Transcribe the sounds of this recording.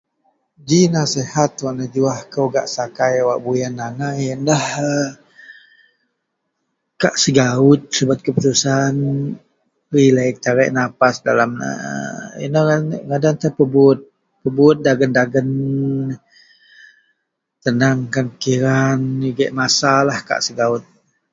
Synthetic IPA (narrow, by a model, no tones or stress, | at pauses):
d͡ʒinasɛhat̪waʔnad͡ʒuahkəwɡa̰ʔsakajawaʔbujanːanajəndahə | kaʔsəɡaʊt̪̚səbat̪̚kəput̪usan | ɾilak̚t̪aɾɛʔnapasda̰lam̰ | ḭnəaŋadant̪əpəbʊt̪̚ | pəbut̪̚daɡəndaɡən | t̪ənaŋkankiɾaniɡɛʔmasalahka̰ʔsəɡaʊt̪̚